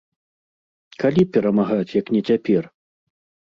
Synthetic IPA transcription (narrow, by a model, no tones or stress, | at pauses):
kalʲipʲɛɾɐmaɣat͡sʲjɐknʲɛt͡sʲapʲɛr